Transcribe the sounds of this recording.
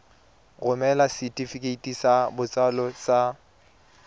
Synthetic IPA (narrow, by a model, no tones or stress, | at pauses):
ɣʊmɛlasitʼifikʼeitʼisabʊt͡sʼalɔsa